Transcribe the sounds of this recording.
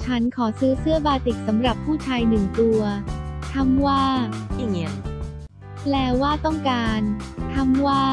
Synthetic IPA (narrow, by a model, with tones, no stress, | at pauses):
t͡ɕʰa˦˥nkʰɔː˩˦sɯː˦˥sɯ˥˩ɐbaː˧t̪e˨˩k̚sa˩˦mɾa˨˩pʰːuː˥˩t͡ɕʰaː˧jnɯ˨˩ŋt̪u˧ɐt̪ʰa˧˥˩mwaː˥˩a˨˩ŋi˦˥ɐ | plɛː˧˩waː˥˩t̪ɔ˥˩ŋkaː˧nt̪ʰa˥˩mwaː˥˩